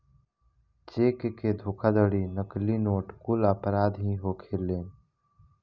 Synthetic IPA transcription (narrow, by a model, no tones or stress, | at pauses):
t͡ʃeːkked̪ʱoːkʰad̪əɽinəklinoːʈkʊlapɾaːd̪ɦĩɦokʰeːlːeːn